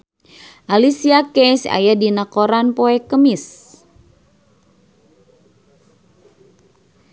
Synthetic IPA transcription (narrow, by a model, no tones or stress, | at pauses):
ʔalisiakɛsa̰jadinakoɾanpoɛkəmis